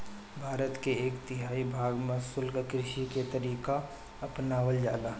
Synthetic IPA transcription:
bʱaːɾət̪keeːkt̪ɪɦaːibʱaːɡmẽsʊlɡəkɾɪʃiket̪əɾiːka | ɐpnaːʋəld͡ʒa̰ːlaː

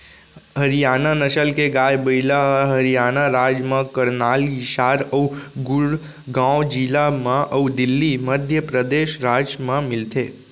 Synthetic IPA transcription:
ɦəɾijananəʃəlkeɡajbəjlaɦəɾijanaɾad͡ʒmãkəɾnaliʃaɾəwɡuɽ | ɡãwod͡ʒilamãʔəwd̪ɪlːiməd̪ʱjəpɾəd̪eʃɾad͡ʒmãmɪlt̪ʰe

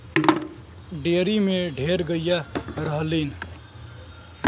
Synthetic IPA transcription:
ɖeɾimeɖʱeɾɡəjaɾəɦəlin

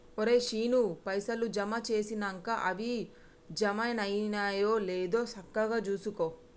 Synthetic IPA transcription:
oɾeːʃiːnupɐjsɐlud͡ʒɐmɐt͡ʃe̞ːsinɐŋkaʔɐʋi | d͡ʒɐmɐjnɐjnajoːleːd̪oːsɐkːɐɡaːt͡ʃuːsukoː

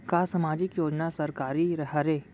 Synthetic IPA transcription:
kaːsəmaːd͡ʒɪkjoːd͡ʒnasɐɾkaːɾiɾɐɦɐɾeː

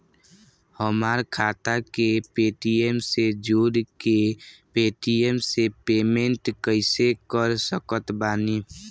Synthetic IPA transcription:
həmaɾkʰaːt̪akepeːʈiemsed͡ʒuːɾkepeːʈiemsepeːmẽɳʈkəɪsekəɾsəkət̪baːni

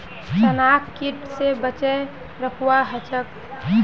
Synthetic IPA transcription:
sənakkiʈsebət͡ʃə | ɾəkʰuwaɦət͡ʃək̚

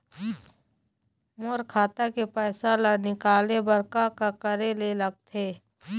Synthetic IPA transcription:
moɾkʰaːt̪akepɛːsalanɪkaːlebɐɾkakakəɾeleləɡ̚t̪ʰeː

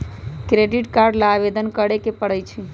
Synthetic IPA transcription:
kɾeɖiʈkaɾɖlabed̪ənkəɽekepəɽəjt͡ʃʰi

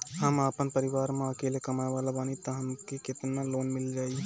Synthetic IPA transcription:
ɦəmapənpəɾiʋaːɾmeəkelekəmaebalabaːnit̪əɦəmkeket̪naloːnmild͡ʒaːi

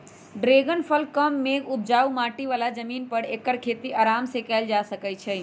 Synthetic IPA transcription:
ɖɾeːɡənpʰəlkəmːeːɡʊt̪̚d͡ʒaːumaːʈiʋaːlad͡ʒəmiːnpəɽeːkəɾkʰeːt̪iʔaːɾaːmsekɛːld͡ʒasəkət͡ʃʰɛ

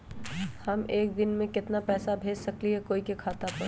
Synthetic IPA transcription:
hɐmeːk̚d̪ɪnmẽkɪt̪napɛːsabʱeːd͡ʒsɐkliɦɛkoːikekʰaːt̪apɐɾ

